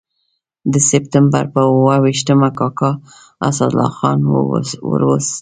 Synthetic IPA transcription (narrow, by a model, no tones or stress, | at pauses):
d̪əsɪp̚t̪əmba̰ɾpəwawiʃt̪əmakɑkɑ | a̰sad̪lɑ̰xɑ̰nwə̰ɾwəs